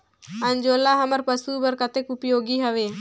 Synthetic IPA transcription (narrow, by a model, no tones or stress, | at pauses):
ənd͡ʒoːlaɦəməɾpəsubəɾkət̪ekʊpjoːɡiɦəʋeː